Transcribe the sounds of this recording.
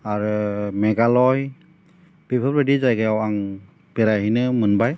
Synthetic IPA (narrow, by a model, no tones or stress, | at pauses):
aɹɯmɛɡalɔj | b̥ibʰʱɔbɾɯdizajɡɯjawaŋ | bɛɾajɦinɯmɯnbaj